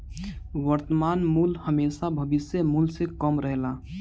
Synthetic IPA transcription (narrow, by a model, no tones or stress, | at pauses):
ʋəɾt̪əmaːnmuːlhəmeːʃabʱɐʋɪsjəmuːlsekəmɾəɦlaː